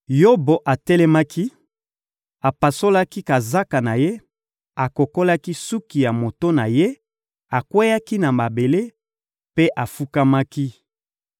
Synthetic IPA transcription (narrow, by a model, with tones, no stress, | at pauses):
jo˦bo˨ʔa˨tɛ˦lɛ˦ma˦ki˦ | a˨pa˨so˦la˦ki˦ka˨za˦ka˨na˨je˦ | a˨ko˨ko˦la˦ki˦su˦ki˨ja˨mo˨to˦na˨je˦ | a˨kwe˦ja˦ki˦na˨ma˨be˨le˦ | pe˦ʔa˨fu˦ka˦ma˦ki˦